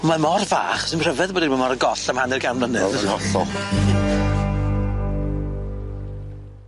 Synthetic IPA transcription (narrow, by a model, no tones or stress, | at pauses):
mamɔrva̰ːχɔ̥səmr̥ɛvɛðbɔːdimamɔɾəɡɔɬəmhanɨrɡamnɔnɛɔɬɔ